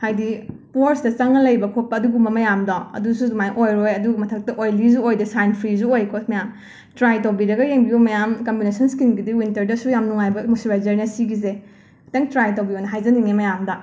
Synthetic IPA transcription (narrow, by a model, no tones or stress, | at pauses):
hajdi | poɾsdɐt͡ʃɐŋɐlɐjbɐkʰopɐɐduɡumɐmɐjamdaɐ̰dusudumajʔojɾojɐduɡumɐtʰɐk̚tɐʔojlizuojdɐsajnpʰɾiz̬uojkʰomɐjam | tɾajtowbiɾɐɡɐjeŋbiumɐjamkɐmbinesɐnskinɡidiwintɐɾdɐsujamnuŋajbɐmusiɾazɐɾnɐsiɡize | teŋtɾajtowbiojnɐɦajzɐniŋemɐjamdɐ